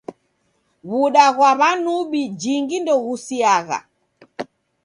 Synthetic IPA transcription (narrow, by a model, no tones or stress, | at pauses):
βuɗaɣwaβanuɓid͡ʒiŋɡindɔɣusiaɣa̰